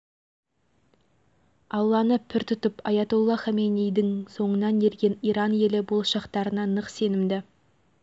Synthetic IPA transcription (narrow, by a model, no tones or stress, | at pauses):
ɑlˠːɑnəpʰɪɾt̪ʰʊt̪əpɑjɑt̪ulˠːɑχæmejnijd̪ɪŋso̞ɴənɑnje̞ɾɡʲenijɾɑnje̞lɪbolˠʃɑqt̪ɑɾənɑnəqse̞nɪmd̪ɪ